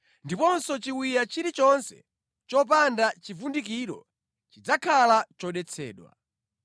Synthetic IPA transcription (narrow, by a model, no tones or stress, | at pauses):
ndipɔnsɔt͡ʃiwijat͡ʃiɾit͡ʃɔnsɛ̰ | t͡ʃɔp̬andat͡ʃivundik̬iːɾɔ̰ | t͡ʃid͡zakʰalat͡ʃɔɗɛt͡sʰɛ̰ːɗwa̰